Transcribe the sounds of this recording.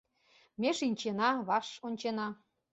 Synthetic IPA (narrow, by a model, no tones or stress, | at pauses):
mʲeʃinʲt͡ɕenɑβɑʃonʲt͡ɕenɑ